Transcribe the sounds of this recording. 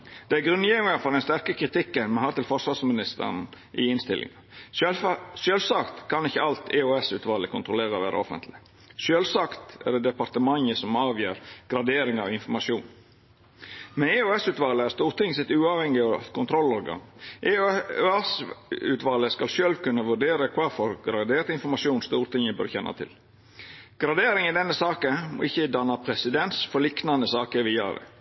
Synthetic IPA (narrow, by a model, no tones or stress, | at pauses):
d̪̥ɛæɾɡɾʉnːjɛʋʋɪŋɑfɔɖ̪ɛnst̪æɾkəkʰɾɪt̪ʰɪkːənmɛnhæːɾt̪ɪlfɔʂɑsmɪnɪst̪ə̰n | ʔɪ̰ɪnst̪ɪ̰lʔɪ̰ŋə | ʃøːlsɑkt̪kʰɑnɪçːəɑlt̪ʰeøːɛsʉːt̪ʋɑːləkʰʊnt̪ʰɾʊleːɾəʋæːɾʔə̰ɔ̰fə̰nt̪ʰlɪ | ʃøːlsɑkt̪æ̰d̪eːd̪ɛpɑɾt̪əmɑŋəsɔmɑːʋjiːɾɡ̥ɾɑd̪eːɾɪŋɑɪnfɔɾmɑʃjuːn | mɛneøɛsʉːt̪ʋɑːləæɾst̪uːɾt̪ɪŋsɪt̪ːʉːɑʋhɛŋɪɑɑ̰t̪kʰʊnt̪ʰɾɔlːɔːɾɡɑ̰ŋʔeøɛsʉ̰ːt̪ʋɑːləskɑlʃøːlʋkʉnːəʋʉɖeːɾəkʰʋɑɾfɔɾɡɾɑd̪eːt̪ɪnfɔɾmɑʂuːnst̪uːɾt̪ʰɪŋːəbœ̰ɾçɛnːʔɑ̰t̪ʰɪ̰l | ɡ̥ɾɑd̪eːɾɪŋɪd̪ɛnːəsɑːkəmɔ̰ʔɪçːəd̪ɑnːɑpʰɾɛsɪd̪ɛnsfɔɾlɪknɑnəsɑːkəɾʋɪɑ̰ːɾə̰